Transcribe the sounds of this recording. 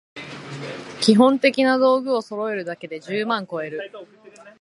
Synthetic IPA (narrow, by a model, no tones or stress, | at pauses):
kʲiɦõ̞nt̪e̞kʲinad̪o̞ːɡɯ̟o̞so̞ɾo̞e̞ɾɯ̟d̪ake̞d̪e̞ʑɨːmãŋko̞e̞ɾɯ̟